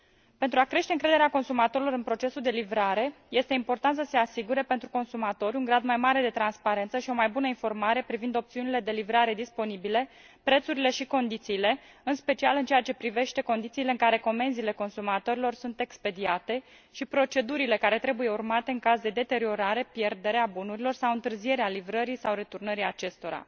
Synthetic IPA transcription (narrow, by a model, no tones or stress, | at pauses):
pent̪ɾuakɾe̞ʃt̪e̞ɨŋkɾe̞d̪eeako̞nsumat̪o̞ɾilo̞ɾɨnpɾo̞t͡ʃe̞suld̪e̞livɾaɾe̞je̞st̪e̞impo̞rt̪ant̪səse̞asiɡuɾe̞pe̞nt̪ɾuko̞nsumat̪o̞ɾʲuŋɡɾad̪majmaɾe̞d̪e̞t̪ɾanspaɾe̞nt̪səʃio̞majbunəinfo̞rmaɾe̞pɾivind̪o̞p̚t̪siunile̞d̪e̞livɾaɾe̞d̪ispo̞nibile̞ | pɾe̞t̪suɾile̞ʃiko̞nd̪it̪siːle̞ | ɨnspe̞t͡ʃialɨnt͡ʃeat͡ʃe̞pɾive̞ʃt̪e̞ko̞nd̪it̪siːle̞ɨŋkaɾe̞ko̞me̞nziːle̞ko̞nsumat̪o̞ɾilo̞rsunt̪e̞kspe̞d̪iat̪e̞ | ʃipɾo̞t͡ʃe̞d̪uɾile̞kaɾe̞t̪ɾe̞buje̞urmat̪e̞ɨŋkazd̪e̞d̪e̞t̪eɾio̞ɾaɾe̞pje̞rd̪e̞ɾeabunuɾilo̞rsawɨnt̪ɨrzie̞ɾealivɾəɾisawɾe̞t̪urnəɾiat͡ʃe̞st̪o̞ɾa̰